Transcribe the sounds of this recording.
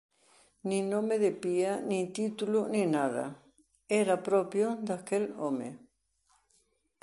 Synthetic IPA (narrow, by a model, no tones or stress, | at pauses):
nĩnõmeðepianĩt̪it̪uluninaða̰ | eɾapɾopjod̪akelomḛ